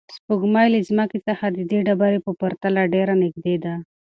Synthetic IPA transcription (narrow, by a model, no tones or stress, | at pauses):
spəɡmɑjlizməkit͡səxad̪əd̪eɖabaɾepəpəɾt̪alaɖeɾanɪɡd̪ed̪a